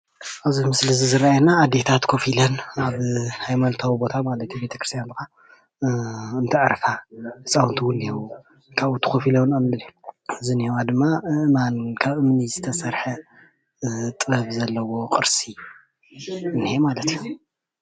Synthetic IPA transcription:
ʔaβzimɨslizizɨɾajenaːd̪e̞t̪ʰat̪kʰofilɐnaβhajmɐlt̪ʰawibo̞t̪ʰamalɐt̪ʰjubet̪ʰɐkɾɨst̪ʰjanbɨxa | ɨnt̪ʰɨʕɾfaɨsʼawnt̪ʰɨwulːewu | kʰaβut̪ʰːɨ̥kʰofilɐwnɐmːɨlɨzinihewad̪ɨmːaɨʔɨmankʰaβʔɨmnizɨt̪ʰɐsɐɾħɐ | t̪ʼɨβɐβzɐlːɐwo̞qʼɨɾsi | ɨnihemalɐt̪ju

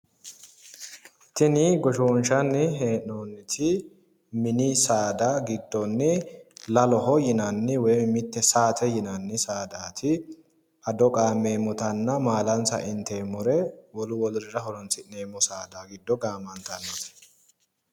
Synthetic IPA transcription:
t̪ɪnɪɡɔʃoːnʃɐnːɪɦeːʔoːnːɪt̪ʰɪ | mɪnɪsaːd̪aɡɪd̪ːɔnːɪlɐlɔɦɔjɪnɐnːɪwɔjmɪt̪ːɛsaːt̪ʰɛjɪnɐnːɪsaːd̪aːt̪ʰɪ | ɐd̪ɔkʼaːmːeːmɔt̪ɐnːɐmaːlɐnt͡sɐ̰ʔɪnt̪eːmʊɾɛwɔlʊwɔlʊɾɪɾɐɦɔlɔnt͡sɪneːmːɔsaːd̪aɡɪd̪ːɔɡaːmɐnt̪ɐnːɔt̪

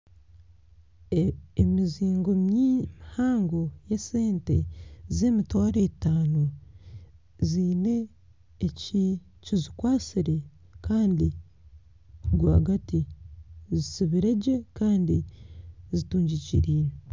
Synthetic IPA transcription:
emiziːŋɡo̞mjihaːŋɡo̞jeseːnte̞̰ze̞ːmitwaːɾetaːno | ziːne̞ː | ci | cizikwaːsiɾe̞ | kaːndi | ɡwa̰ːɡati | zisiβiɾe̞ɟe̞kaːndi | zituːɲɟicḭɾiːɾe

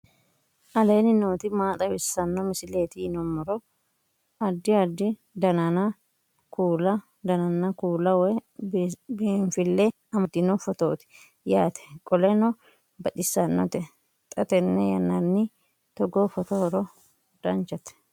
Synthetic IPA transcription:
ʔɐle̞ːnɪnoːt̪ɪmaːt̪ʼɐwɪsːɐnːɔmɪsɪleːt̪ɪnɔmːɔɾɔ | ɐd̪ːɪɐd̪ːɪ | d̪ɐnɐnɐ | kʰuːlɐ | d̪ɐnɐnːɐkuːlɐwɔ | bɱfɪlːɛ | ɐmɐd̪ɪnɔfɔt̪o̰ːt̪ɪ̥ | jaːt̪ʰɛ̥kʼɔlɛnɔ | bɐᶑɪsːɐnːɔ̰t̪ɛ | t̪ʼɐt̪ɛnːɛjɐnːɐnːɪ | t̪ɔɡofɔt̪oɾɔ | d̪̥ɐnt͡ʃɐt̪ɛ̥

